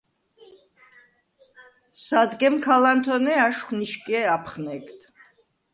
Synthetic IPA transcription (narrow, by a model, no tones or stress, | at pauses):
sad̪ɡɛmkʰalant̪ʰɔnɛaʃχniʃkʼiɛapʰχnɛkt̪ʰ